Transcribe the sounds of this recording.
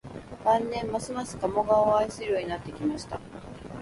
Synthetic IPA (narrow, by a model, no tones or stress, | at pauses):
bãnːẽ̞mːasɨmasɨ̥kamo̞ɡaoaisɨɾʲɯjoɲ̟inat̪ːekʲimaɕi̥t̪a̰